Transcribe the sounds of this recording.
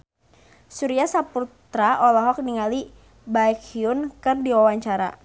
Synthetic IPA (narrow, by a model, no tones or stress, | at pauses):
suɾiasaput̪ɾaʔɔlɔɦɔk̚niŋali | baɛkiʊnkɨrdiwawaɲt͡ʃaɾa̰